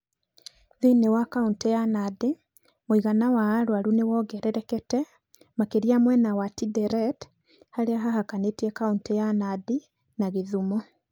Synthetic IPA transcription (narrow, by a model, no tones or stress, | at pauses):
ðenewakauntɛjanade | moiɣanawaːɾwaɾunewɔɣɛɾɛɾɛkɛtɛ | makeɾiamwɛnawatidɛɾɛt | haɾeaɦahakanetiɛkauntɛjanadi | naɣeðumɔ